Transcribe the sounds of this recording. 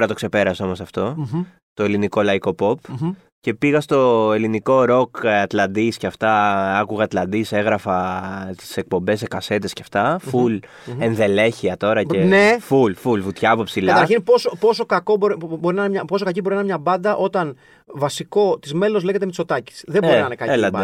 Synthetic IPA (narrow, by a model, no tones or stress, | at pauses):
oɾɐt̪o̞kse̞pe̞ɾɐseo̞mo̞sɐft̪o̞ | t̪o̞eliniko̞lɐiko̞po̞p | ce̞piɣɐst̪o̞e̞liniko̞ɾo̞kɐt̪lɐnd̪iscɐft̪ɐɐkuɣɐːt̪lɐnd̪ise̞ɣɾɐfɐt̪i̥se̞k̚po̞mbe̞s̬ekɐse̞t̪e̞sceɐft̪ɐful | enðe̞le̞çiɐt̪o̞ɾɐcenefulfulvut̪çɐpopsilkɐt̪ɐɾçinpo̞sopo̞so̞kɐko̞boɾiboɾinɐnemɲɐpo̞so̞kɐcibo̞ɾinɐnemɲɐbɐnd̪ɐʔo̞t̪ɐn | vɐsiko̞t̪izme̞lo̞zle̞ʝet̪emeisot̪ɐci̥sðeoɾinnɐɐnekɐelɐnd̪e